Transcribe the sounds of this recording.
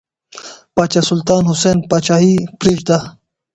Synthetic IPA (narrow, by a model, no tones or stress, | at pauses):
paːt͡ɕasult̪aːnɦuseːnpaːt͡ɕaɦipɾiʐd̪a